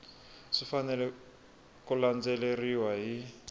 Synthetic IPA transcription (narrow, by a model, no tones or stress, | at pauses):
ʂifanɛlɛ | kuland͡zeleriwaɦi